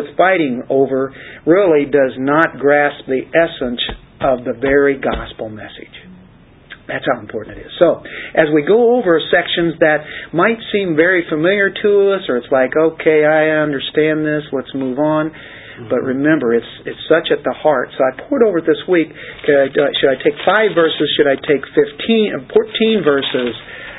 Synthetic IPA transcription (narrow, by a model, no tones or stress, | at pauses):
ɨð̥faɪɾɪ̃ŋoʊvə˞ɹɪlˠidʌznət̚ɡ̥ɹæsp̚ðiʔɛsə̃ns | ʔʌvðɨvɛɹiɡɑspl̩ˠmɛsɨ̰d̥ʒ̥ | ðætshaʊ̃m̩pʰɔɹʔn̩ɨɾɪz̥soʊʔɨzwiɡoʊoʊvə˞sɛkʃɨ̃nzðɨt̚maɪtsĩɱvɛɹifəmɪlˠjə˞ɾʰəʌsə˞ɨtslaɪkoʊkʰeɪaɪʌ̃ndə˞stæ̃nðɪslətsmuvn̩ | b̥ʌʔ̚ɹɨmɛ̃mbə˞ɨtsɨtsʌt͡ʃɨt̪̚ðəhɑɹtsoʊaɪpʰʊɹɨɾoʊvə˞ðɪswikːʰʌaɪʃɨɾaɪtʰeɪkfaɪvɜ˞sɨz̥ʃɨɾaɪtʰeɪkfɪftʰĩnfɔɹtʰĩnvɜ˞sɪz̥